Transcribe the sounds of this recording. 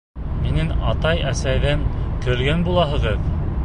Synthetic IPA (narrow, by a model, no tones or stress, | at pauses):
minɘnɑt̪ɑjæsæjðænkɵ̆ɾɡænbulˠɑɦɤ̆ʁɤð